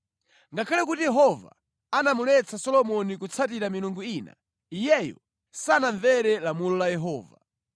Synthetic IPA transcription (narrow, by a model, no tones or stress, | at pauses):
ŋɡakʰalɛkutijɛɦɔva̰ | anamulɛt͡sʰasɔlɔmɔnikut͡sʰatiɾamiluŋɡuina̰ | ijɛjɔ̰ | sanaɱvɛɾɛlamulɔlajɛɦɔːva̰